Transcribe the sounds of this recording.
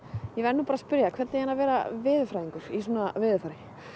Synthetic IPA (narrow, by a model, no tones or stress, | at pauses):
jɛvɛɾnuːpaːɾaspʏɾjakʰvɛɾt̪nɪjhanavɛːɾa̰vɪːðʏfɾajðiŋkʏɾ̥is̬oːnavɪːðʏɾfaɾɪ